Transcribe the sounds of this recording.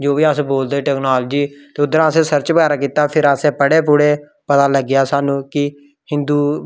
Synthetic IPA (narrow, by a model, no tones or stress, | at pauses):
d͡ʒoːʋiːaːseboːld̪eːʈɛːknaːld͡ʒiːt̪eːʊd̪əɾãːsẽːsəɾt͡ʃbəɡaːɾaːkiːt̪aːpʰɪɾaːsẽːpəɽeːp̬ʊɽeː | pət̪aːləɡːjaːsaːnũːkɪ | hɪ̃nd̪uː